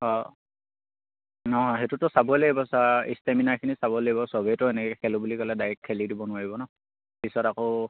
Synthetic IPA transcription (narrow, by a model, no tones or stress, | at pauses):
ɔ | nɔɦɔ̃ɦetutɔsabɔleibɔsaistaminakʰinisabɔlaibɔsɔbetɔɛnɛkɛkʰɛlʊbulikɔlɛdajɛkʰːelidibɔnʊaɹibɔnɔ | pisɔtakoʊ